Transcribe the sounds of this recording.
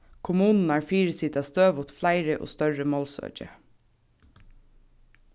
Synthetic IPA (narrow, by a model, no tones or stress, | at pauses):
kʰʊmʉːnn̩æːɹfiːɹəsɪd̪ɑːst̪øːʋʊt̪flæɪɹəʔo̰ːst̪œɹəmoːlsœ̰d͡ʒə̰